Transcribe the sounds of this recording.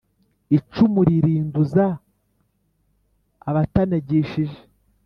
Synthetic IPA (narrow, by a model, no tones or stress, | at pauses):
it͡ʃumuɾiɾiːnduza | βataneɟeʃiʒe̥